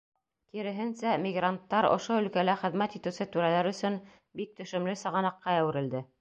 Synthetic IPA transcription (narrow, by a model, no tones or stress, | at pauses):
k̪iɾɘ̆ɦɘ̆nsæmʲiɡrant̪ːɑɾŏ̰ʃoɵ̆lkælæχɘ̆ðmæt̪it̪ɘ̆wsɘt̪ʉɾælæɾɵ̆sɵn | bik̚t̪ɵ̆ʃɘ̆mlɘsɤ̆ʁɑnɑqːɑæwɘ̆ɾɘ̆ld̪ɘ